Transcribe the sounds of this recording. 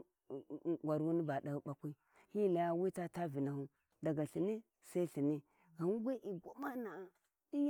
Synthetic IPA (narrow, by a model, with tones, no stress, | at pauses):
ɡʷa˨ɾwu˦ni˦ba˨da˨˦ɓa˦kʷi˦ | hi˦˨la˨ja˦wi˦ta˦ta˦vi˨na˨hu˦ | da˨ɡa˨ɬi˨ni˦ | sa˦i˦ɬi˨ni˦ | ɣa˨n˦ɡʷe˦ʔi˨ɡʷa˦ma˦na˨a˨ | di˦j